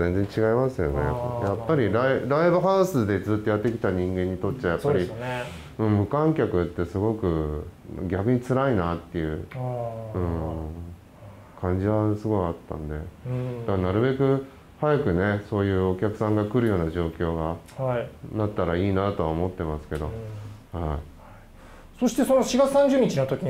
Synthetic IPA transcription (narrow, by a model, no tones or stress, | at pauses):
ẽ̞nd͡zẽ̞ɲt͡ɕiɡaimasɨjo̞ne̞̰japːaɾʲiɾaiɾaibɯ̟ɦaɯsɨd̪e̞d͡zɨːt̪ːo̞jat̪ːe̞kʲi̥t̪aɲ̟ĩŋɡẽ̞ɲ̟ːit̪o̞t̪ːajapːaɾʲi | ɯ̟̃ːmɯ̟kãŋkʲakɯ̟t̪ːe̞sɨɡo̞kɯ̟ | ɡʲak̟ɲ̟it͡sɨɾainat̪ːe̞jɯ̟ | ɯ̟̃ɴ | kʰãɲ̟d͡ʑiβasɨɡo̞iat̪ːã̰nd̪e̞̰d̪anaɾɯ̟be̞kɯ̟ | hajakɯ̟ne̞so̞ːjɯ̟ːo̞kʲakɯ̟̥sãŋɡakɯ̟ɾɯ̟jo̞ːnaʑo̞ːkʲo̞ːɡahainat̪ːaɾaiːnat̪o̞aomo̞t̪ːe̞masɨ̥ke̞d̪o̞haḭ | so̞ɕi̥t̪eso̞noɕiɡat͡sɨ̥sãɲ̟d͡ʑɨːɲ̟it͡ɕinot̪o̞kʲi